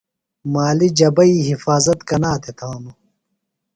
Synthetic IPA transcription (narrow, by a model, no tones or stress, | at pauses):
maːlid͡ʑɐbɐiɦifaːzɐt̪kɐnaːt̪ʰet̪ʰaːnu